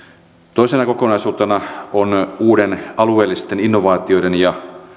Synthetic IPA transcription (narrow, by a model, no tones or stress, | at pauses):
t̪oisenɑkokonɑisuːt̪enɑonuːɾenɑlueːlːist̪eninːoʋɑːt̪iodenjɑ